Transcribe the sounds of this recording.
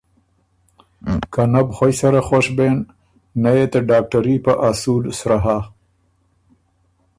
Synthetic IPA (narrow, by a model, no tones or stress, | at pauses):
kanabxojsaɾaxoʂbenː | ajet̪aɖɑːk̚ʈaɾipaʔasud̪sɾaɦa